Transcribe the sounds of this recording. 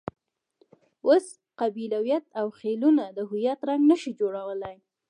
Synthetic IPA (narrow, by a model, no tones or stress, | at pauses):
os | qabilawjat̪awxelunad̪əɦʊjat̪ɾaŋɡnəʃid͡ʒoɽawəlaj